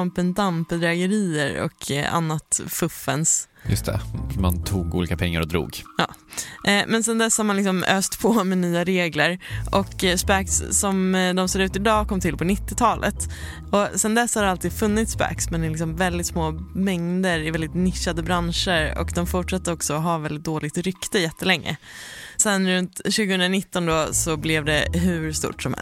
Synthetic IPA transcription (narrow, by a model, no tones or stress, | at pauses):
mpənd̪ampːəd̪ɾɛːɡəɾiːəɾɔ̰kʰa̰nːat̪fɵfːəns | jɵ̰st̪ʰɛ̰ma̰nt̪ʰuːɡṵːliːkapʰɛŋːa̰ɾɔd̪ɾṵːɡjɑ̰ː | mɛnsɛnd̪ɛshaɾmanlɪksɔmøːst̪pʰɔmɛnyːaɾeːɡləɾɔkspæksːɔmd̪ɔmseːɾʉ̟ːt̪ɪd̪ɑːkʰɔmːt̪ʰɪlpʰɔnɪt̪ːɪt̪ʰɑːlʔə̰t̪ | ɔsɛnd̪ɛsːhaɾalt̪iːd̪fɵnːɪt̪spæ̰ːksmɛnɪlɪks̬ɔmvɛld̪ɪt̪smoːmɛŋd̪əɾɪvɛld̪ɪt̪nɪʂːad̪əbɾanʂəɾɔ̰kd̪ɔmfʊʈʂat̪ːəɾɔksɔːɦɑːvɛld̪ɪt̪̚d̪oːlɪɡ̚t̪ɾʏkt̪əjɛt̪ːəlɛŋːə̰sɛnɾɵnt̪ɕʉ̟ːɡəhɵnɾanɪt̪ːɔnd̪ɔsɔblɪvd̪ɛ̰ɦɵɾst̪ṵːʈsɔmhɛ̰